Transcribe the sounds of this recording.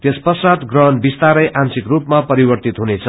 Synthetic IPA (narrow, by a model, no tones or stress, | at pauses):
t̪espʌsrat̪ɡrʌɦʌnbist̪aɾʌjʔansikrupmapʌɾibʌrt̪it̪ɦunet͡sʰʌ